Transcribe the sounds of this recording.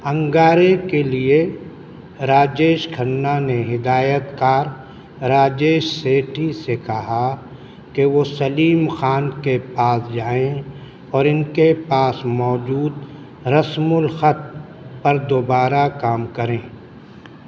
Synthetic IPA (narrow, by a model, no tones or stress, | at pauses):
ɐ̃ŋɡaːɾekelie | ɾaːd͡ʒeːʃkʰɐnːaneɦɪd̪aːjət̪kaːɾ | ɾaːd͡ʒeːʃseːʈʰisekɐɦa | keʋosɐliːmxaːnkepaːsd͡ʒaːẽ | ɔːɾɪnkepaːsmɔːd͡ʒuːd̪ | ɾɐsmʊlxət̪̚ | pɐɾd̪obaːɾakaːmkɐɾẽː